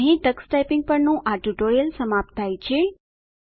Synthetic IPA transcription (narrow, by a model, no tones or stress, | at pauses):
ɦĩʈəksʈajpɪŋɡ̚pəɾnũʔaʈuʈoijəlsəmap̚t̪ʰːajt͡ɕʰe